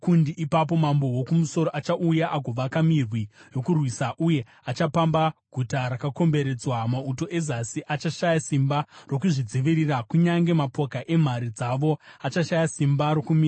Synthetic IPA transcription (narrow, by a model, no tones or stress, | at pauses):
kundiʔipap̬o̞mambo̞wokumuso̞ɾoʔat͡ʃaʔujaʔaɡʱo̞ʋakamirwijo̞kurwisaʔuje̞ | at͡ʃapambaɡʱutaɾakako̞mbe̞ɾe̞d͡zwamauto̞ʔe̞zasiʔat͡ʃaʃajasimbaro̞kuʐid͡ziʋirirakuɲaŋɡe̞mapo̞kaʔe̞m̤aɾid͡zaʋo̞at͡ʃaʃajasimbaɾo̞kumiːra